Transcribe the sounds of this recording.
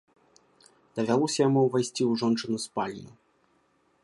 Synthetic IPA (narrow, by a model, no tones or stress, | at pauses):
d̪̥ɐvʲalˠɔsʲɐjamuwvajsʲt͡sʲiuʐɔnt͡ʂɨnuspalʲḭnu